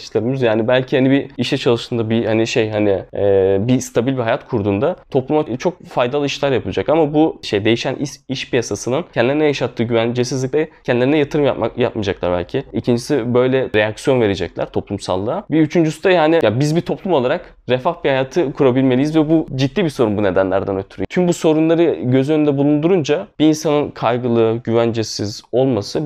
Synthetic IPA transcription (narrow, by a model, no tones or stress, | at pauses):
ʃlʲeɾimizjaːnibælʲcʰihanibiiʃɛt͡ʃʰalˠɯʃt̪ɯnd̪abihaniʃejɦaniɛːbist̪ʰabilʲbiɦajat̪kʰuɾd̪uːnd̪at̪ʰo̞plˠumat͡ʃʰo̞k̚fajd̪alˠɯiʃlʲaɾjapʰɯlˠad͡ʒakamabuʃejd̪e̞jiʃænʔiiʃpʰijasasɯnɯncʰɛnd̪lʲeɾinɛjaʃat̪ʰːɯːɟyænd͡ʒesizlʲic̚ʲlʲɛcʰɛnd̪lʲeɾinɛjat̪ʰɯɾɯmja̰pajapmad͡ʒaklˠa̰ɾbæ̰lʲcʰiicʰind͡ʒisibø̞jlʲɛɾejaksijo̞nve̞ɾed͡ʒɛclʲæ̰ɾ̥t̪ʰo̞plˠumsa̰lˠːɯabiyt͡ʃʰynd͡ʒysyd̪ajaːnɪjabizbit̪ʰo̞plˠumo̞lˠaɾak | ɾefafbihajaːt̪ʰɯkʰuɾabilʲmeijizvɛbud͡ʒid̪ːiːbiso̞ɾunbune̞d̪ænlʲæɾd̪ænø̞t̪ʰyɾyt̪ʰymbuso̞ɾunlˠaɾɯɟø̞zyjø̞nynd̪ɛbulˠund̪uɾund͡ʒab̥iːnsanɯnkʰajɡɯlˠɯɟyvænd͡ʒɛsizo̞lˠmasɯ